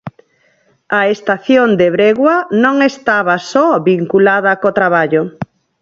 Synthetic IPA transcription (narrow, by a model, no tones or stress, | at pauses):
aest̪aθjond̪eβɾeɣwanõŋest̪aβasɔβiŋkulaðɐkot̪ɾaβ̞aʎo